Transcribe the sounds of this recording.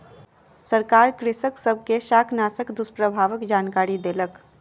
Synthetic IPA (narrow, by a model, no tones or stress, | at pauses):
səɾkaːɾkɾɪsəksəb̚ʱkeʃaːkʰnaːsəkd̪ʊspɾəbʱaːʋəkd͡ʒaːnkaːɾid̪eːlək